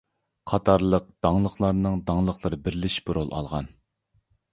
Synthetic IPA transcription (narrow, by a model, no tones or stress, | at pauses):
qʰɑt̪ʰɑɾlˠəq̚d̪̥ɑŋlˠəχlˠɑɾnɨŋd̪ɑŋlˠəχlˠəɾɨbɪɾlɪʃbuɾolˠʔɑ̰lˠʁɑ̰n